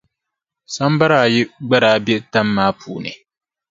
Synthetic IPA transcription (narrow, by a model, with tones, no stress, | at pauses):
sa˦m˦ba˦ɾaː˨˦˨jɪ˦ɡ͡ba˦ɾaː˨˦bɛ˦ta˦mːaː˦pʰṵː˨nɨ̰˨